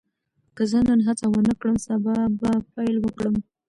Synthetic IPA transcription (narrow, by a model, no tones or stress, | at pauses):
kəzənənɦat͡sawənəkɽəmsabɑbapajlwəkɽəm